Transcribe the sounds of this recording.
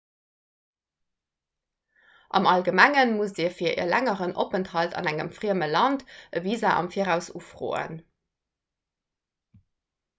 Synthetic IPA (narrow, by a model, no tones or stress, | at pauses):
ʔɑ̰mɑlɡəmæŋənmusdiːɐfiːɐʔḭːɐlæŋəʁənʔo̰pənthɑltʰɑ̰næŋəmfʁiəməlɑntəviːzɐʔɑ̰mfiːəʁæʊsuːfʁo̰ːə̰n